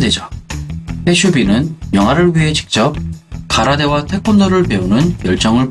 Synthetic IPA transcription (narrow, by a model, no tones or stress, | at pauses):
ded͡ʑa | he̞ɕʰubinɯnjʌŋɦaɾɯɭɥiɦe̞t͡ɕi̥k̚t͡ɕ͈ʌp̚kaɾade̞watʰe̞kʰonːʌɾɯɭpe̞unɯnjʌɭt͡ɕ͈ʌŋɯɭ